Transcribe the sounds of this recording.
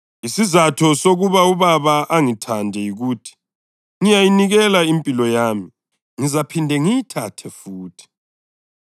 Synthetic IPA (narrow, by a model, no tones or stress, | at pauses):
isizatʰɔsoɣuβauβaβaʔaŋitʰandʱɛjiɣutʰi̥ | ŋijajiniɣɛlaimpʼilɔjaːmi | ŋizapʰindʱɛŋijitʰatʰɛfuːtʰi̥